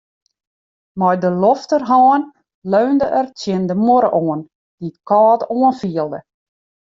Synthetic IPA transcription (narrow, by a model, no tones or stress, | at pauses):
mɔjdəlɔftərɦɑːn | løːndəʔərtjɪndəmoɾəʔoən | d̥itkɑːtoənfiəlˠdə